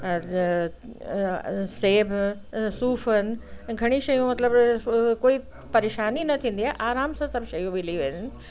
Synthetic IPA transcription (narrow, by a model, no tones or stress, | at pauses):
seːbʱ | suːfənɪ̆ɡʱɐɽ̃iʃɐjũmɐt̪ləbkoːi | pɐɾeːʃaːninɐt̪ʰĩːn̆d̪iaːeʔaːɾaːmsãsɐbʱʃɐjũʋɪliʋeɪnɪ